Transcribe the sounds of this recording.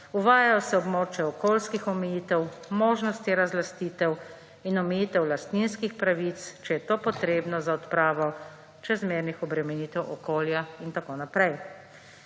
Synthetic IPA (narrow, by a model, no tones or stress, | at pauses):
uʋaːjajɔsɛɔbmoːt͡ʃjɛɔkoːlskixɔmɛjiːt̪ɛwmoːʒnɔst̪iɾazlast̪iːt̪ɛw | inɔmɛjiːt̪ɛwlast̪ninskixpɾaʋit̪st͡ʃɛjɛt̪oːpɔt̪ɾeːbnɔzaɔt̪pɾaːʋɔ | t͡ʃɛzmeːɾnixɔbɾɛmɛniːt̪ɛwʔɔkoːljaint̪akonapɾɛj